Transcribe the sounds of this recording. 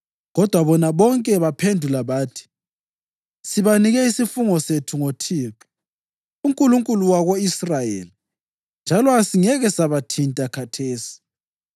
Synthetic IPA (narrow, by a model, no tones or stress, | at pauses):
ɣɔd̥ʱwaβɔnaβɔŋkʼɛβapʰendʱulaβaːtʰi̥ | siβaniɣɛisifuŋɔsetʰuŋotʰiːǁɔ̥ | uŋkʼuluŋkʼuluwaɣoisrajḛli | nd͡ʒʱalɔasiŋɛɣɛsaβatʰintʼakʰatʰeːsi̥